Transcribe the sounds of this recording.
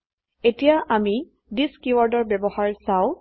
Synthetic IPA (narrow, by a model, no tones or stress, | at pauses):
etijaʔami | diskiuwɔɹdɔɹbɛbɔhaɹsaʊ̃